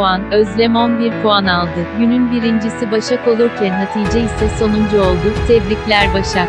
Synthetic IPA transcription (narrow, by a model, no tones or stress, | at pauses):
anøzlʲe̞monbiɾpʰuanalˠd̪ɯɟynynbiɾind͡ʒisibaʃako̞lˠuɾcʰænːat̪ʰijd͡ʒɛisɛso̞nund͡ʒuo̞lˠd̪ʊt̪ʰɛvlʲiclʲæɾbaʃa